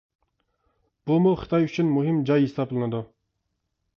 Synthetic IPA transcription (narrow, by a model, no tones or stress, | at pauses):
b̥ʊmʊχɨt̪ʰɑjyt͡ʃʰynmuɦɪmd͡ʒɑjisɑplˠɨnɨd̪u